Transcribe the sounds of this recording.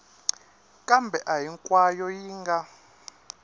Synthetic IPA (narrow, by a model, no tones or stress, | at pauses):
kʼambʱɛʔajiŋkʼwajɔjiːŋɡa